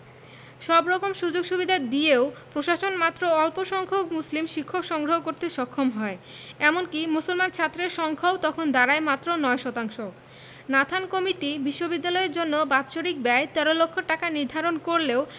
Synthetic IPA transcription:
ʃɔbɾɔkomʃud͡ʑoɡʃubid̪ʱad̪ieopɾoʃaʃonmat̪ːɾoɔlpoʃɔŋkʰok̚muslimʃikʰːokʃɔŋɡɾoɦokoɾt̪eʃɔkʰːomɦɔe | ɛmonkimusolmant͡ɕʰat̪ːɾeɾʃɔŋkʰaobt̪ɔkʰond̪aɾaemat̪ːɾonɔeʃɔt̪aŋʃok | nat̪ʰankɔmiʈibiʃːobid̪ːalɔeɾd͡ʑonːobatːɕoɾik̚bɛet̪ɛɾolokʰːoʈakaniɾd̪ʱaɾonkoɾleo

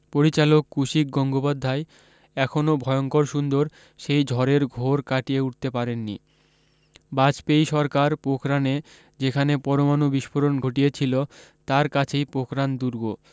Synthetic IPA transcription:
poɾit͡ɕalokːuʃik̚ɡɔŋɡopad̪ʱːae | ɛkʰonobʱɔeoŋkoɾʃund̪oɾ | ʃejd͡ʑʱɔɾeɾɡʱoɾkaʈijeuʈ̚t̪epaɾenːḭ | bad͡ʑpejʃɔɾkaɾpokʰɾane | d͡ʑekʰanepɔɾomanobiʃpʰoɾonɡʱoʈijet͡ɕʰilot̪aɾkat͡ɕʰejpokʰɾand̪uɾɡo

